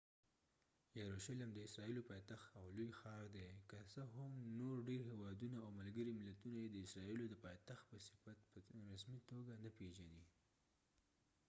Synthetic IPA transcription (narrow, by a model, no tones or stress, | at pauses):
jaɾoʃalamd̪əɪsɾɑilopɑjt̪axt̪awlojxɑɾd̪ekasəɦʊmnoɾɖeɾhewɑd̪unaːwmalɡəɾimɪlat̪unajed̪əɪsɾɑilod̪əpɑjt̪axt̪̚pəsɪ̥fat̪pəɾasmit̪oɡanapeʒani